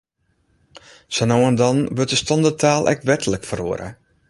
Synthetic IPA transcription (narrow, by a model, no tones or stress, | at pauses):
sənowəndɔnʋøt̚dəstɔndətʰaːlˠʔɛ̰k̚tʋɛtʰələkfəro̰əɾʔə̰